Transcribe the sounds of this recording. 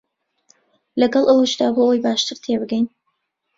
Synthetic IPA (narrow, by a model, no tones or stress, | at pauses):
lɐɡɐlˠʔəwəʃd̪aːboojbaːʃt̪ɨɾt̪ʰebɨɡɛjn